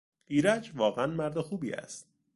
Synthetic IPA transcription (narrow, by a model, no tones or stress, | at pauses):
ʔiːɾæd͡ʒvɒːɣeænmæɾd̪exuːbiːæ̰st̪̚